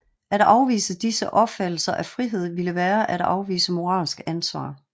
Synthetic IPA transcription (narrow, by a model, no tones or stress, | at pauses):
ʔæɾ̥ɑ̈ʊʋḭːsəd̥isəʔɒ̽b̥fæd̥l̩sɐʔæfʁiɦe̝ð̞̰ˠʋiləʋæːɐʔæɾ̥ɑ̰ʊʋḭːsəmo̝ʁɑ̰̈ːlsɡ̥ænsʋɑ̰̈ː